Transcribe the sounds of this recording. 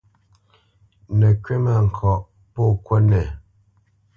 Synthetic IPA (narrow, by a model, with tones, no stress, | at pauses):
nə˨kɥe˦ma˨ŋ̩˨kʰɔ˨ʔ | pɔ˦˨kwɛ˦nɛ˨